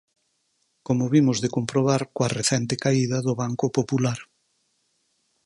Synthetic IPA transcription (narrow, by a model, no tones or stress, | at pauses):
komoβimozðekompɾoβ̞aɾkwareθɛnt̪ekaiðɐðʊβaŋkopopulaɾ